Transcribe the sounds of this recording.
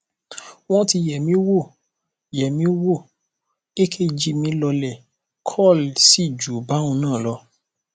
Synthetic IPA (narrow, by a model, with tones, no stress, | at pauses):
w̃ɔ̃˦ti˧jɛ˨mĩ˨˦wo˦˨ | jɛ˨mĩ˨˦wo˦˨ | e˦kʰe˦˨d͡ʒi˧mĩ˧˦lɔ˧lɛ˨ | kʰɔ˦˨lsi˦˨d͡ʒu˨˦bã˨˦ũ˧nãː˦˨lɔ˧